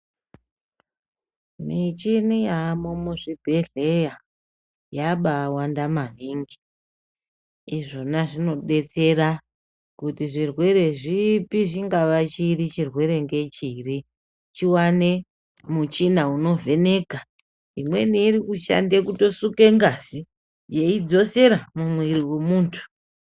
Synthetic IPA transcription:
mit͡ʃinijamomuʐibʱe̞ɮe̞ja | jaɓaːwandamaniŋɡi | iʐo̞naʐino̞ɗe̞t͡se̞ɾa | kutiʐirwe̞ɾe̞ʐipiʐiŋɡaʋat͡ʃiɾit͡ʃirwe̞ɾe̞ŋɡe̞t͡ʃiri | t͡ʃiwane̞ | mut͡ʃinauno̞ve̞ne̞ːɡʱa | imwe̞niːɾikuʃa̰ndekuto̞suke̞ŋɡasi | jeid͡zo̞se̞ɾamumwiɾiwemuːntʰu̥

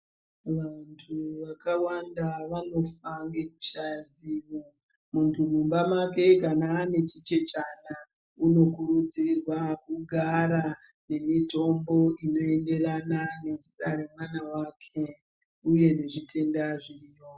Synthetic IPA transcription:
ʋantʰuʋakawandaʋano̞faŋɡe̞kut͡ʃaziʋo | muntʰumumbamake̞kanaːne̞t͡ʃit͡ʃe̞t͡ʃana | uno̞kuɾud͡zirwak̚uɡʱaɾa | ne̞mito̞mbo̞ino̞e̞nde̞ranane̞ziraɾe̞mwanawakʰe̞ | uje̞ne̞ʐitʰe̞ndaʐirijo

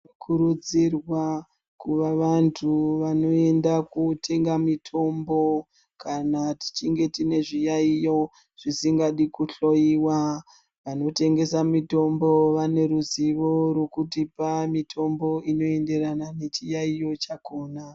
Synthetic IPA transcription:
kʰuɾud͡zirwa | kuʋaʋantʰuʋano̞e̞ndakutʰe̞ŋɡamitʰo̞mbo̞ | kʰanati̥t͡ʃiŋɡe̞tine̞ʐijaijo̞ | ʐ̥isiŋɡaɗikuɬo̞iwa | ʋano̞te̞ŋɡe̞samito̞mbo̞ʋane̞ɾuziʋo̞ɾo̞kutipamitʰo̞mbo̞ino̞e̞nde̞ranane̞t͡ʃijaijo̞t͡ʃako̞ːna

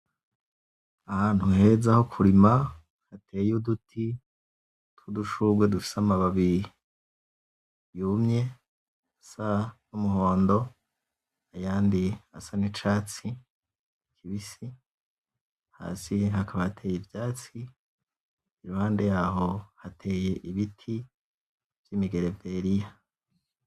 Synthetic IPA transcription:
ahaːnhuhe̞ːzaho̞kʰuɾima | hatʰe̞ːjudutʰi | tuduʃuɡwe̞dufi̥seamaβaβi | jumɲe̞ | asanumuɦo̞ːndo̞ | ajaːndiasanit͡ʃaːt͡si | kʰiβisi | ha̰ːsiɦakaβahatʰe̞ːjevjaːt͡si | ɾuhaːnde̞jaːɦo̞hatʰe̞ːje̞ʔiβitʰi | v̥jimiɡe̞ɾe̞ve̞ɾija

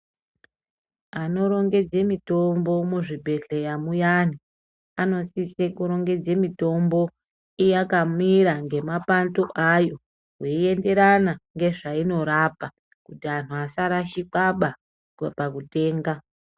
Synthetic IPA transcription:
ano̞ɾo̞ŋɡe̞d͡ze̞mito̞mbo̞muʐibʱe̞ɬejamujani | ano̞sisekuɾo̞ŋɡe̞d͡ze̞mito̞mbo̞ | ijakamiɾaŋɡe̞mapantoʔajo̞ | weie̞nde̞ɾanaŋɡe̞ʐaino̞ɾaːpa | kutianuasaɾaʃikaɓa | pakute̞ːŋɡa

